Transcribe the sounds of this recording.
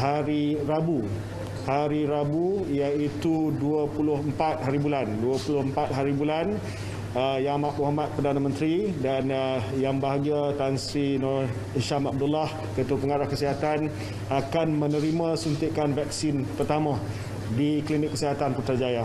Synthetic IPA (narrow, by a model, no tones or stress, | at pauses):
haɾiɾabu | haɾiɾabuijait̪uduəpulʊɦəmpat̪̚haɾibulanduəpulʊhəmpat̪̚ɦaɾibulan | əjamaʔmuɦamat̪̚pərdanãmə̃nt̪ɾidanəjaŋbaɦaɡiat̪ansinɔ | iʃamab̚dulah | kət̪upəŋaɾahkəsiɦat̪an | akanmə̃nəɾimãsunt̪ɪʔkanvaksɪnpərt̪amã | diklinɪkːəsiɦat̪anpət̪ard͡ʒaja